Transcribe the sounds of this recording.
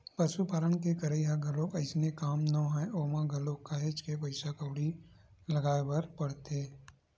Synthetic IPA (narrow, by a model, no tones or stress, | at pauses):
pəʃupaːlənkekəɾəɦaɡəlokɐɪsnekaːmnɔ̃ɦɛ̃oːmãɡɐlokːaɦet͡ʃkepɐɪsakəːɽilɐɡaːebəɾpɐɽt̪eː